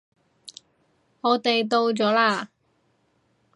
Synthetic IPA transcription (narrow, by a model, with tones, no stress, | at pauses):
ŋɔː˨˧t̪e˨jt̪̬o˧wt͡sɔː˨˥laː˧